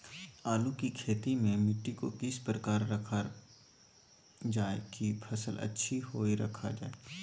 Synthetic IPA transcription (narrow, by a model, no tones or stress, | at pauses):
aːlukikʰeːt̪imẽmɪʈːikokɪspɾəkaːɾːɐkʰa | d͡ʒaːekipʰɐsəlɐ̰tːʃʰihoːiɾɐ̰kʰa̰d͡ʒa̰ːe